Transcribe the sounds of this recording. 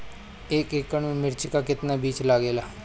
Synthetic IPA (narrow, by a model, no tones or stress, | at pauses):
eːkeːkːəɳmẽmɪɾt͡ʃɪkakɪt̪nabiːt͡ʃlaːɡeːlaː